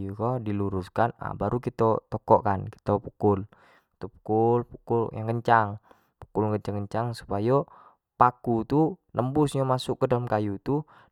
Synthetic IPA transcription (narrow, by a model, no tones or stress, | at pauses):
jukɔdiluɾuskana̰baɾukit̪ɔt̪ɔkɔʔkanki̥t̪ɔpukul | ki̥t̪ɔpu̥kulpukuljaŋɡəɲt͡ʃaŋ | pu̥kulŋɡəɲt͡ʃaŋɡəɲt͡ʃaŋsu̥pajo | pakut̪unəmbusɲamasʊkːədaləmkajut̪u